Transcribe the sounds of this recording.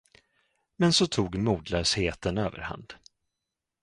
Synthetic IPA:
mɛnsɔt̪ʰuːɡmuːd̪lœːsheːt̪ənøːvə̰ɾha̰nd̪̥

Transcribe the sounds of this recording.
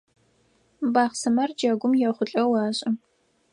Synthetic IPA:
baːχsɐmɐrd͡ʒɐɡʷʊmjɛχʷʊɬʼɐwɑːɕʼɪ

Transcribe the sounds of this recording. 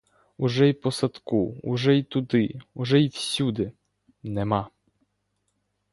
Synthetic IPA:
uʒɛjpɔsɐt̪kuuʒɛjt̪ʊd̪ɪuʒɛjiwsʲud̪ɪ | nɛmɑ

